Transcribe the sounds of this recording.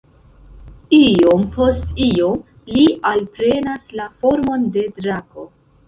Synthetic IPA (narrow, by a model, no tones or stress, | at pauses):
io̞mpʰo̞stio̞m | lialpɾe̞naslafo̞ɾmo̞nde̞dɾako̞